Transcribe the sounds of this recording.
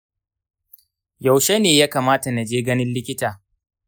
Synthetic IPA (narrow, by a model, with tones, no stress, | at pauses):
ja˨wʃe˦neː˨jaː˦kaː˨maː˦ta˨na˨d͡ʒeː˦ɡɐ˦nɪ˦nlɪ˦kʲɪ˦taː˨